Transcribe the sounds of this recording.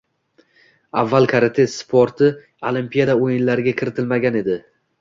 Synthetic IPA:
avːalkʰaɾat̪ʰe̞sːpʰoɾt̪ʰɪ | olˠimpijad̪aojɪnlaɾɪɡʲakʲʰɪɾɪt̪ʰɪlmaɡʲane̞d̪ɪ

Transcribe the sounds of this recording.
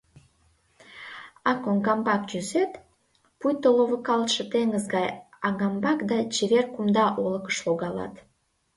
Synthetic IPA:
ɑkoŋɡɑmbɑkʒyzet̪ | pujt̪oloβəkɑlt̪ʃĕt̪eŋɡəzɡɑjɑɡɑmbɑkd̪ɑt͡ɕeβerkumd̪ɑʔoləkə̥ʃloɣɑlɑ̰t̪

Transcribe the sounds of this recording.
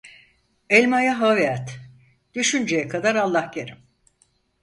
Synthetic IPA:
ɛlʲmajaɦaveat̪ | d̪̥yʃynd͡ʒejɛkʰad̪aɾalˠːahɟeɾim

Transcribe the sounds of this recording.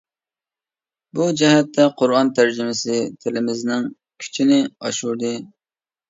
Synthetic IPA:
bud͡ʒɛɦɛt̪ʰːɛqʰʊɾɑnt̪ʰæɾd͡ʒɪmɪsɪt̪ʰɪlɪmɪznɪŋ | kʲʰy̥t͡ʃʰinɪɑʃuɾd̪ɨ

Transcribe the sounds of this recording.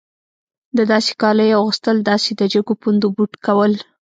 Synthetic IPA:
d̪əd̪ɑse̥kɑləjaɣəst̪əld̪ɑsed̪əd͡ʒəɡopund̪obuʈkawəl

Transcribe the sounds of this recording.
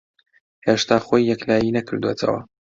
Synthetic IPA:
heːʃt̪ʰaːxoːjːɛklaːjinɐkʰɨɾd̪wot̪ʰɐ̰wɐ̰

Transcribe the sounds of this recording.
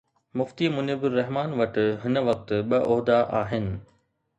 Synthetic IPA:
mʊft̪imʊnɪbɪɾːɐɦmaːnʋɐʈɪ̆ɦɪnəʋɐk̚t̪ɓɐʔɔɦd̪aʔa̰ːɦɪnɪ̆

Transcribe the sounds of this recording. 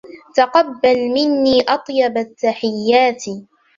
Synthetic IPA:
t̪aqɑbːalmɪnːiːʔɑt̪ˤjɑbat̪ːaħɪjːaːt̪i

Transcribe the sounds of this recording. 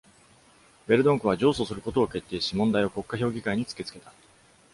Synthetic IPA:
be̞ɾɯ̟d̪oŋkɯ̟β̞ad͡ʑo̞ːso̞ːsɨɾɯ̟ko̞t̪o̞ːke̞t̪ːe̞ːɕimõ̞nd̪aio̞ko̞kːaço̞ːɡʲikaiɲ̟it͡sɨ̥ke̞t͡sɨ̥ke̞t̪ḁ

